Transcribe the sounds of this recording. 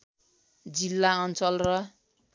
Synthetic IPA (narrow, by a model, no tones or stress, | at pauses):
d͡zilːaʌnt͡sʌlrʌ